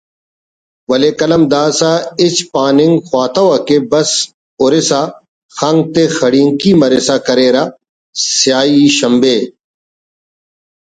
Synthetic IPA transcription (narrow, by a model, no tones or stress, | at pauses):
wɐleːkɐlɐmd̪aːsaɪt͡ɕpaːnɪŋɡxwaːt̪ɐwakebɐs | ʊɾɪsa | xɐŋɡ̚t̪exɐɽiːŋkiːmɐɾɪsaːkɐɾeːɾa | sɪjaːiːʃɐmbeː